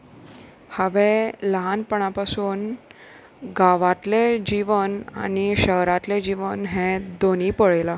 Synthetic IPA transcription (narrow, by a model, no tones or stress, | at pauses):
haʋẽləɦanpəɳ̃apasuːn | ɡaʋat̪led͡ʑiʋəna̰ñiɕəɦɾat̪led͡ʑiʋənɦẽd̪oniːpəɭela